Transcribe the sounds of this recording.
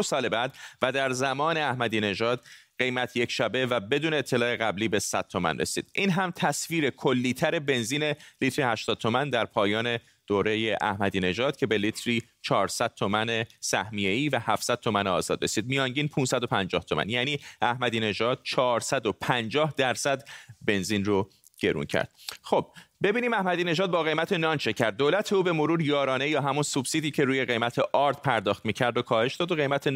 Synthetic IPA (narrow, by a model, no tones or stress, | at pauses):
osɒːlebæd̪væd̪æɾzæmɒːne̞æhmæd̪iːne̞ʒɒːd̪̥̚ɢe̞jmæt̪ʰjecʰʃæbe̞væbe̞d̪uːneet̪ʰːe̞lɒːeɣæbliːbe̞sæd̪̥̚t̪ʰo̞mæ̰nrḛsḭːd̪̥ʔiːnɦæmt̪ʰæsviːɾe̞kʰo̞lːiːt̪ʰæɾe̞be̞nziːne̞liːt̪ɾihæʃt̪ɒːd̪̚t̪ʰo̞mænd̪æɾpʰɒːjɒːne̞ | d̪̥oːɾe̞je̞ʔæhmæd̪iːne̞ʒɒːd̪̥̚cʰe̞belit̪ʰɾiː | t͡ʃʰɒːɾsæd̪̚t̪ʰomæne̞sæhmije̞iːvæhæfsæd̪̥̚t̪o̞mæneɒ̰ːzɒːd̪ɾe̞̰siːd̪̚mijɒːŋɟiːnpʰunsæd̪o̞pʰænd͡ʒɒːht̪ʰomæ̰njæːniːæhmæd̪iːne̞ʒɒːd̪̥̚t͡ʃʰɒːɾsæd̪o̞pʰænd͡ʒɒːhd̪æɾsæd̪be̞nziːnro | ɟ̥e̞ɾṵːncʰæ̰ɾd̪̥̚xob̚be̞biːniːmæhmæd̪iːne̞ʒɒːd̪̚bɒːɣe̞jmæt̪ʰe̞nɒːnʃe̞cʰæɾd̪̚ːoːlæt̪ʰeuːbe̞moɾuːɾjɒːɾɒːne̞jɒːɦæmunsubsid̪iːcʰe̞ɾuːje̞ɣe̞jmæt̪ʰeʔɒːɾt̪pʰæɾd̪ɒːxt̪miːcʰæɾd̪okʰɒːhe̞ʃd̪ɒːd̪oɣe̞jmæt̪ʰe